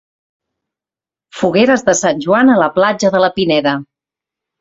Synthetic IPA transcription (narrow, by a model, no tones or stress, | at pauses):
fuɣeɾəzðəsanʲʒuanələplad͡ʒəðələpinɛɾə